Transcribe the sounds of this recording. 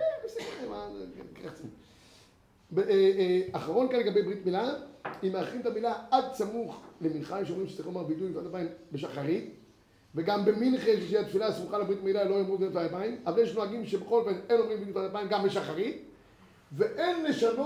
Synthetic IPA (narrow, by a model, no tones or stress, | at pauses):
keesimema̰kʁaχt͡samṵχ | beaχaʁo̞nkanleɡabejbʁit̪milaimeaχimt̪amilaad̪̚t͡samuχleminχaimʃeomʁimʃe̥t͡saʁilomaʁbit̪ujfanapaimbeʃaχaʁit̪ | veɡambe̞minχeʃeʃiat̪filasmuχalebʁit̪amilalojomʁivtfajapaimavaljeʃnoaɡimʃebeχo̞lfeneno̞mʁimbitujfanapaimɡambeʃaχaʁit̪ | ve̞ʔenle̞ʃano